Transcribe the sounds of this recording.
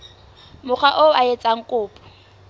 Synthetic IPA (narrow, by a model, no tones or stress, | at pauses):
mʊk͡xʰwaʔoaet͡sʼaŋ̩kʼʊːpʼɔ̥